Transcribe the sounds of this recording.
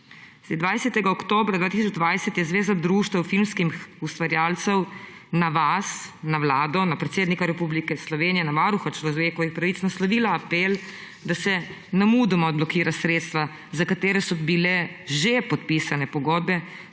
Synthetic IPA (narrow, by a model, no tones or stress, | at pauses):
sd̪ʋajsɛt̪ɛɡaɔkt̪oːbɾad̪ʋaːt̪is̬ɔd͡ʒd̪ʋajsɛt̪jɛzʋeːzad̪ɾuːʃt̪ɛwfilmskimxust̪ʋaɾjaːlt̪sɛw | naʋasnawlaːd̪ɔnapɾɛt̪seːd̪nikaɾɛpublikɛslɔʋeːnijɛnaʋaɾuxat͡ʃlɔʋeːkɔʋixpɾaʋit̪snaslɔʋiːlaːpel | d̪asɛ | namud̪ɛmɔd̪blɔkiːɾasɾet̪st̪ʋa | zakat̪eːɾɛsɔbilɛʒepɔt̪pisanɛpɔɡɔːd̪̚bɛ